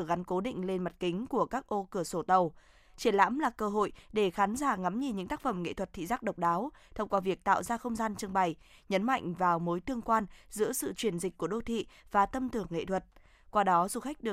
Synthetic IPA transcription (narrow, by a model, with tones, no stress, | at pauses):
ɣa˨˦nko˨˦ɗḭ̈˧˨ŋ̟le˧nma˨˩t̚kï˨˦ŋ̟ku˧˩əkaː˦˥k̚ʔo˧kɨ˧˩əso˧˩t̪ə˨˩w | t͡ɕi˧˩ənla̰ː˧˥mlaː˨˩kəː˧ɦo̰˧˨jɗe˧˩xaː˨˦nzaː˧˩ŋa˨˦mɲi˨˩ɲɨ̰˧˥ŋt̪aː˦˥k̚fə˧˩mŋḛ˧˨t̪ʰwə˨˩t̚t̪ʰḭ˧˨zaː˦˥k̚ɗə˨˩wk͡p̚ɗaː˨˦wt̪ʰə˧wŋ͡mkwaː˨˦vi˨˩ək̚t̪a̰ː˧˨wzaː˧xə˧wŋ͡mzaː˧nt͡ɕɨ˧əŋɓa˨˩jɲə˨˦nma̰˧˨jŋ̟vaː˨˩wmo˨˦jt̪ɨ˧əŋkwaː˧nzɨ̰˧˥əsɨ̰˧˨t͡ɕwi˧˩ənzï˨˩k̟̚ku˧˩əɗo˧t̪ʰḭ˧˨vaː˨˩t̪ə˧mt̪ɨ˧˩əŋːḛ˧˨t̪ʰwə˨˩t̚ | kwaː˧ɗɔ˨˦zu˧˩xa˦˥jk̟̚ɗɨ˨˩ə